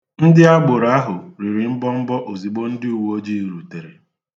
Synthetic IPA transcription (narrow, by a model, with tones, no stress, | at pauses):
n̩˦dɪ˦a˦ɡ͡bʊ˨ɾa˦ɦʊ˨ɾi˨ɾɪ˨m̩˦bɔ˦m̩˦bɔ˦ʔo˨zi˨ɡ͡bo˦n̩˦dɪ˦u˨wo˦d͡ʒi˦˨ɾu˨te˨ɾe˨